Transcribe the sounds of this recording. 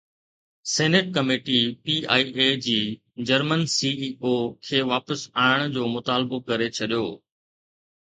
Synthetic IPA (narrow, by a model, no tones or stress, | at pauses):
seːnɪʈ̚kɐmeːʈipiːa̰ːiʔed͡ʑiː | d͡ʑɐɾmənsiːiːokʰeːʋaːpəsaːɪɽ̃d͡ʑoːmʊt̪aːlbokɐɾet͡ɕʰɐɗijoː